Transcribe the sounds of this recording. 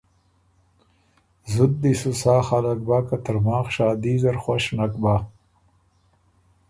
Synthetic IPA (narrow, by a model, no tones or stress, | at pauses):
zud̪̚ːisusaːxalɐk̚baːkat̪əɾmaːxʃaːd̪iːzɐɾxwaɕnɐkbaː